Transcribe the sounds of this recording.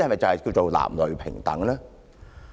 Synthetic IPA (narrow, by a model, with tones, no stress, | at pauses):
hmɐ˨jt͡sɐ˨whɐ˨jkiː˧wt͡so˨wla̰ː˨˩mlɵ˨ɥpʰɪ̰˨˩ŋt̪ɐ̰˨˥ŋlɛː˥